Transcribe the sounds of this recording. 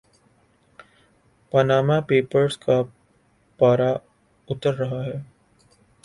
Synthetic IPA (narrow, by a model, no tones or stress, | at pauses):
pɐnaːmapeːpəɾska | paːɾa | ʊt̪əɾːɐɦaɦɛː